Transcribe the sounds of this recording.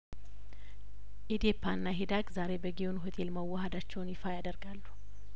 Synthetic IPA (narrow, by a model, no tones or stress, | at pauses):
ʔid̪epʰːanːaɦid̪aɡzaɾe̞bəɡionɦut̪ʼʰelməwːəɦad̪at͡ʃːɛwnjɪfajad̪əɾɡalːu̥